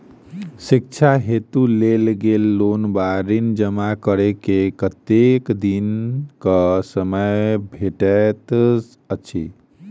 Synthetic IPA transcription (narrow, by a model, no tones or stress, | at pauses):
sik̚t͡ʃʰaɦet̪ulelɡelːonbaɾind͡ʒəmakəɾekekət̪ekd̪inkəsəməjbʱeʈɛt̪s | ət͡ʃʰḭ